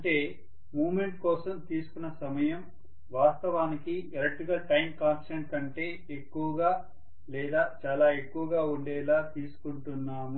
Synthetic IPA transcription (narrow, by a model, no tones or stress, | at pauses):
ɐɳʈe̞ː | muːʋme̞ɳʈ̚kɔːsɐmt̪iːsu̥kunːɐsɐmɐjɐm | ʋaːst̪ɐʋaːnikieɾɐʈiɡɐlʈɐjmkaːnsʈɐɳʈkɐɳʈe̞ː | ekːuʋɐɡaː | lɛːd̪aːt͡ʃaːlaːe̞kːuʋɐɡaːuɳɖɛːlaːt̪iːsu̥kuɳʈunːaːmu